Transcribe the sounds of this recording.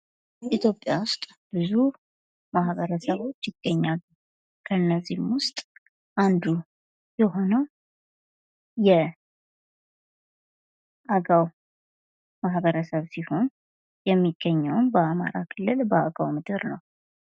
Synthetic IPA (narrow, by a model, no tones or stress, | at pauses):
ʔit̪ʰjo̞pʼːjawʊst̪ʼ | b̥ɨzu | maɦβəɾəsəβo̞t͡ʃːjɪɡ̥ːəɲːalːu | kʰəɨnːəzːihmwʊst̪ʼ | ʔand̪u | jɛɦo̞nəw | jɛ | ʔaɡaw | maɦbəɾəsəβsiho̞n | jɛmːiɡ̥ːəɲːəwnbəama̰ɾakʰɨlːɨlbəaɡawmɨd̪ɨɾnəw